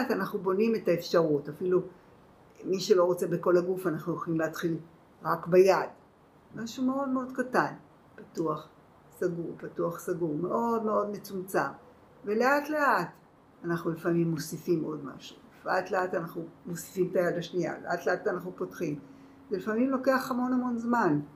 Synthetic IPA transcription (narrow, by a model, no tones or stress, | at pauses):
atanaχnubo̞nime̞taefʃaʁutafilu | miʃe̞lo̞ʁot͡se̞beko̞laɡufanaχnujoχolimleatχil | ʁakbajad | maʃume̞o̞dme̞o̞dkatan | patuaχ | saɡuʁpatuaχsaɡuʁme̞ʔo̞dme̞o̞d̪me̞t͡sumt͡sa̰m | ve̞le̞atleʔat | anaχnulifamimːosifimʔo̞dma̰ʃu̥ | fatleatanaχnumosi̥fimtajadaʃnija̰leʔatle̞atanaχnupo̞tχim | zelifamimlo̞ke̞aχhamo̞namo̞nzman